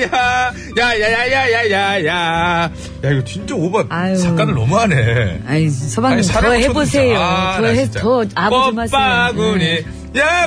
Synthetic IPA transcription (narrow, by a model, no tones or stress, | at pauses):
ja | jajajajajajaja | jaiɡʌt͡ɕind͡ʑoobʌnajot͡ɕak͈anɯnʌmuɦaneaisʰʌbaŋsʰaʌɦebossʰe̞jotʌɦetʌabomaaɡuɲi | ja